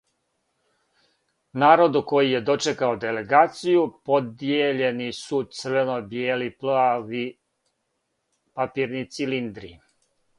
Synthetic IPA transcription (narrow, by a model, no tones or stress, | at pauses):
naːɾo̞d̪uko̞jije̞d̪o̞t͡ʃekaod̪e̞le̞ɡaːt̪sijupo̞d̪jeʎe̞nisut̪sərʋenobjeːliplaʋi | papiːɾnit̪silind̪ɾḭ